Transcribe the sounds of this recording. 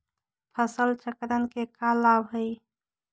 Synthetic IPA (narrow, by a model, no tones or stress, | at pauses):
pʰəsəlt͡ʃəkɾənkekalabɦəj